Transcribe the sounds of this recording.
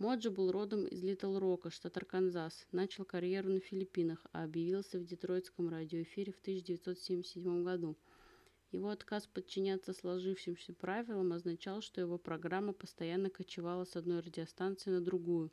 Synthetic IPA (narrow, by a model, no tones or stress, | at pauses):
mo̞ʐəbɨlˠro̞d̪əmɪ̰zlʲit̪əlˠɾo̞kəʂt̪at̪ərkɐnzasnat͡ɕɪlˠkɐɾʲje̞ɾʊnəfʲɪlʲɪpʲinəxɐ̰ɐbjɪvʲilˠsʲəvdʲɪt̪ɾo̞jt̪skəmradʲɪoɪfʲiɾʲɪft̪ɨɕːɪdʲɪvʲɪt̪so̞t̪sʲemʲɪsʲt̪ʲːɪdʲmo̞mɡɐd̪u | jɪvo̞ɐt̪kaspət̪̚t͡ɕːɪnʲat̪sːəslˠɐʐɨfʂɪmsʲəpɾavʲɪlˠəmɐznɐt͡ɕalˠʂt̪o̞jɪvo̞pɾɐɡɾamːəpəst̪ɐjanːəkət͡ɕɪvalˠəsɐd̪no̞jrədʲɪɐst̪ant̪sɨɪnəd̪ɾʊɡujʊ